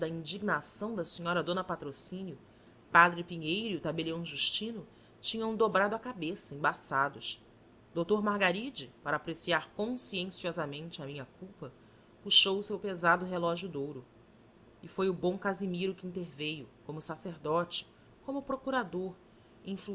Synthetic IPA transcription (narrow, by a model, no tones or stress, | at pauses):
d̪ɐĩnd͡ʒiɡnasɐ̃w̃d̪ɐsĩɲɔɾɐd̪õnɐpat̪ɾosĩnjʊ | pad̪ɾɪpiɲejɾʊʊt̪abeliɐ̃w̃ʒuʃt͡ʃĩnʊ | t͡ʃĩɲɐ̃w̃d̪obɾad̪ʊɐkabesɐẽbasad̪ʊs | d̪owt̪oɾmaɾɡaɾid͡ʒɪpaɾɐːpɾesiaɾkõsiẽsiɔzɐmẽnt͡ʃɪɐmĩɲɐkuwpɐ | puʃowʊsewpezad̪ʊɦelɔʒjʊd̪owɾʊ | ɪfojʊbõkazimiɾʊkɪĩnt̪eɾvejʊkõmʊsaseɾd̪ɔt͡ʃɪ̥ | kõmʊpɾokuɾad̪oɾ | ẽfl